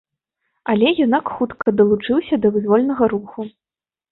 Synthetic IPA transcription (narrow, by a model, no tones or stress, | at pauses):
ɐlʲɛjɛnakxut̪kɐd̪ɐlˠut͡ʂɨwsʲɐd̪ɐvɨzʲvɔlʲnɐɣɐɾuxu